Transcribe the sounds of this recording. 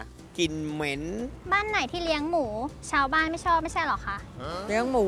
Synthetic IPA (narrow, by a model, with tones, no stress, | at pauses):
ki˧nme˦˥nbaː˥˩nːa˨˩˦jt̪ʰiː˥˩li˧˦əŋmuː˩˦t͡ɕʰaː˧˥wbaː˥˩nma˥˩jt͡ɕʰɔː˥˩p̚ma˥˩jt͡ɕʰa˥˩jlɔ˨˩kʰa˦˥˩ʔli˧˦əŋmuː˩˦